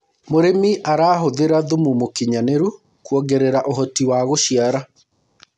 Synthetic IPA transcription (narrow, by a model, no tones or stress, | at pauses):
moɾemiʔaɾaːɦoðeɾaðumumokiɲaneɾu | kwɔɡeɾeɾaʔoɦɔtiwaɣoʃiaɾa